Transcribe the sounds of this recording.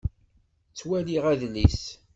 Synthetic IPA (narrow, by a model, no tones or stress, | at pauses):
t͡sːwæliʁæðlis